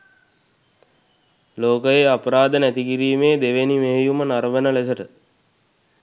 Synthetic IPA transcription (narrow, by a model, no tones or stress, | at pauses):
loːkəjeapəɾaːd̪ənæt̪ikiɾiːmeːd̪eʋenimeɦejumənaɾʋənəlesəʈə